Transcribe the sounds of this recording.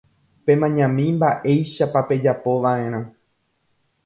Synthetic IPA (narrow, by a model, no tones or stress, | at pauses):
pe̞mãɲãmĩmbaʔe̞jʃapape̞d͡ʒapo̞ʋaʔẽɾ̃ã